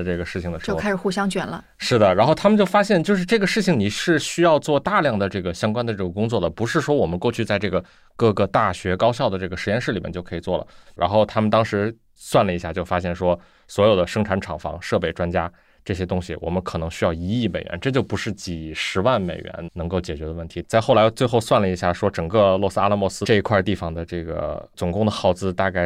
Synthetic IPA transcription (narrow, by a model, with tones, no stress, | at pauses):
ʈ͡ʂɤ˥˩ɡə˩ʂɻ̩˥˩t͡ɕʰi˩ŋd̪ə˩ʂɻo˥˧˥ka˥ɪʂɻ̩˨˩xu˥˩ɕjɑ˥ŋt͡ɕɥɛ˨˩nlə̰˦ | ʂɻ̩˥˩d̪ə˩ɻa˧˥nxo˥˩ʊt̪ʰa˥mə˨nt͡ɕjo˥˩ʊfa˥ɕjɛ˥˧nt͡ɕjo˥˧ʊʂɻ̩˥˧ʈ͡ʂɤ˥˩ɡə˩ʂɻ̩˥˩t͡ɕʰi˩ŋni˨˩ʂɻ̩˥˩ɕy˥jɑ˥˧ʊt͡swɔ˥˧t̪a˥˧ljɑ˥˩ŋd̪ə˩ʈ͡ʂɤ˥˩ɡə˩ɕjɑ˥ŋkwa˥nd̪ə˨ʈ͡ʂɤ˥˩ɡə˩kʊ˥ŋt͡swɔ˥˩d̪ə˩pu˧˥ʂɻ̩˥˩ʂwɔ˥wɔ˨˩mə˦nkwɔ˥˧t͡ɕʰy˥˧t͡sa˥˧ɪʈ͡ʂɤ˥˩ɡə˩ | kɤ˥˩ɡə˧t̪a˥˩ɕɥɛ˧˥kɑ˥ʊɕjɑ˥˩ʊd̪ə˩ʈ͡ʂɤ˥˩ɡə˩ʂɻ̩˧˥jɛ˥˧nʂɻ̩˥˩li˨mʲjɛ̰˥˧t͡ɕjo˥˩ʊkʰɤ˧˥i˨˩t͡swɔ˥˩lə̰˩ɻa̰˧˥nxo˥˩ʊt̪ʰa˥mə˨nt̪ɑ˥ŋʂɻ̩˧˥ | swa˥˩nlə˩i˧˥ɕja˥˧t͡ɕjo˥˩ʊfa˥ɕjɛ˥˩nʂwɔ˥ | swɔ˧˥jo˨˩ʊd̪ə˦ʂɤ˥ŋʈ͡ʂʰa˧˥nʈ͡ʂʰɑ˨˩ŋfɑ̰˧˥ŋʂɤ˥˧pe˥˩ɪʈ͡ʂwa˥nt͡ɕja˥ | ʈ͡ʂɤ˥˩ɕjɛ˥t̪ʊ˥ŋɕi˨˩wʔɔ̰˨˩mə˦nkʰɤ˨˩nɤ˧˥ŋɕy˥jɑ˥˩ʊi˧˥i˥˩me˨˩ɪɥɛ̰˧˥nʈ͡ʂɤ˥˧t͡ɕjo˥˩ʊpu˧˥ʂɻ̩˥˩t͡ɕi˨˩ʂɻ̩˧˥wa˥˩nme˨˩ɪɥɛ̰˧˥nnɤ˧˥ŋko˥˩ʊt͡ɕjɛ˨˩t͡ɕɥɛ˧˥d̪ə˧wə˥˩nt̪ʰi˧˥t͡sa˥˧ɪxo˥˩ʊla˧˥ɪt͡swe˥˧ɪxo˥˧ʊswa˥˩nlə˩i˧˥ɕja˥˩ʂwɔ˥ʈ͡ʂɤ˨˩ŋkɤ˥˧lwɔ˥˩sɹ̩˥a˥la˥˧mwɔ˥˩sɹ̩˥ʈ͡ʂɤ˥˩i˧˥kʰwa˥˧t̪i˥˩fɑ˩ŋd̪ə˩ʈ͡ʂɤ˥˩ɡə̰˩t͡sʊ˨˩ŋkʊ˥˩ŋd̪ə˩xɑ˥˩ʊt͡sɹ̩˥t̪a˥˧ka˥˩ɪ